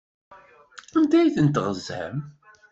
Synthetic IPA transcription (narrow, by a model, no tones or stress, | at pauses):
ænd̪æjθənt̪ʁəzæ̰m